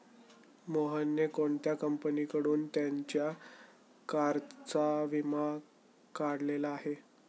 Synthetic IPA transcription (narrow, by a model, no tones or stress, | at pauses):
moɦənːjekoɳt̪jakəmpənikəɽuːnt̪jaɲt͡ɕja | kaɾt͡saʋima | kaɽlelaːɦe